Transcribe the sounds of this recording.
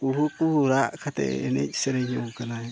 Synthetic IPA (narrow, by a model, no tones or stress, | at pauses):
uɦupuhuɾakʰat̪ɛ̰ːnɛ̰d͡ʒi̥seɾeɲokana